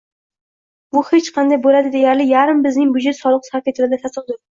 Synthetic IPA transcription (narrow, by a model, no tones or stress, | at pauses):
bʊhet͡ʃqʰɑnd̪ajbolad̪ɪd̪ejaɾlɪjaɾɪmbɪznɪŋbʊd͡ʒet̪sɒlˠɨqshakʲet̪ʰɪɾɪd̪at̪ʰasɨqd̪ʊɾ